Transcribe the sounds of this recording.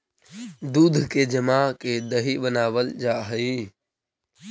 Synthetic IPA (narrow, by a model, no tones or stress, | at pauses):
d̪uːd̪ʱked͡ʒəmaːked̪əɦibənaːʋəld͡ʒaːɦəi